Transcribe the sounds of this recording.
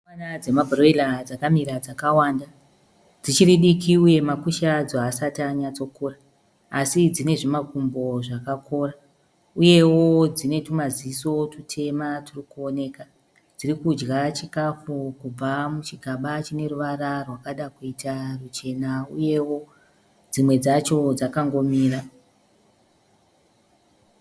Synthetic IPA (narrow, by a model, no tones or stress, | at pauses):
anad͡zemabroilad͡zakamiɾad͡zakawaːnda | d͡zit͡ʃiriɗikʰiuje̞makuʃad͡zoasataɲat͡so̞kuraː | sid͡zine̞ʐimakumbo̞ʐakakʰo̞ra | uje̞wo̞d͡zine̞tumaziso̞tutʰe̞matirikuone̞ːka | d͡zirikud͡ʒɡat͡ʃikafukub͡vamut͡ʃiɡʱaɓat͡ʃine̞ruʋaɾarwakaɗakuitarut͡ʃe̞nauje̞wo̞ | d͡zimwe̞d͡zat͡ʃo̞d͡zakaŋɡo̞miːra